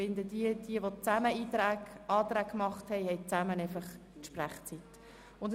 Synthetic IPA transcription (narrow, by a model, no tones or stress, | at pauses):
ɪnd̪ədiəd̥iəʋot͡sæməiːt̪ɾæːɑːt̪ɾæːkkmɑχthɛɪhɛɪt͡sæmənɛɪfɑχ | tʃpræχt͡sit̪ | ʊnd